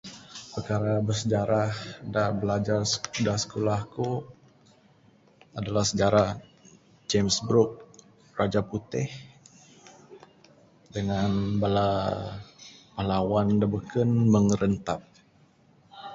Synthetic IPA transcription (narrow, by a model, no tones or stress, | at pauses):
pərkaɾabərsəd͡ʒaɾahdabəlad͡ʒarsə̥dasə̥kolahku | adalahsəd͡ʒaɾah | d͡ʒemsbɾuk̚ | rad͡ʒaput̪ɪh | dəŋanbala | malawandabəkənməŋəɾənt̪at̪̚